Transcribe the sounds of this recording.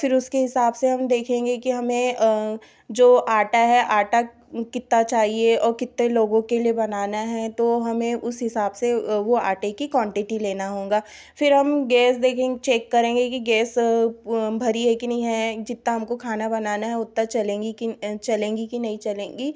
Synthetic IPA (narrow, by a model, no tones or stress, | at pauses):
fɪɾʊskeɦɪsaːbseɦɐ̃md̪eːkʰẽːŋɡekiɦɐmẽ | d͡ʒoːʔaːʈaɦɛʔaːʈa | kɪt̪ːat͡ʃaːɦieɔːɾkɪt̪ːeloːɡõkeliebɐnaːnaɦɛt̪oɦɐmẽʔʊsɦɪsaːbseʋoaːʈekikwɔ̃ːɳʈɪʈileːnaɦõːŋɡaː | fɪɾɦɐmɡɛːsd̪eːkʰẽːt͡ʃɛːkːɐɾẽːŋɡekiɡɛːs | bʱɐɾieːknɐɦĩɦɛd͡ʒɪt̪naɦɐmkokʰaːnabɐnaːnaɦɛʊt̪ːat͡ʃɐlẽːɡikit͡ʃɐlẽːŋɡikinɐɦĩt͡ʃɐlẽːɡi